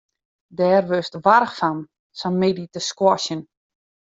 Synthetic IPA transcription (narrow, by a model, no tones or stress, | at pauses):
dɛːrʋøstʋarxfan | sɔnmeditəskwɔʃjən